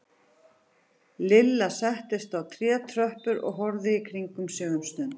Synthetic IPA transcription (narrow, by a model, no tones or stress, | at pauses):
lɪlːasɛht̪ɪst̪awt̪ʰɾjɛːt̪ʰɾœhpʏɾɔ̰ɣɦɔɾðɪikʰɾiŋkʏmsjœːɣʏmst̪ʏnt̪